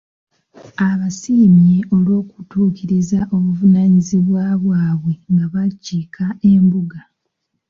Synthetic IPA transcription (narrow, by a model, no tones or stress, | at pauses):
aβasiːmje̞o̞lwo̞ːku̥tuːkiɾizaʔo̞βuvunaɲiziβwaβwaːβwe̞ŋɡaβacːikʰae̞mbuɡa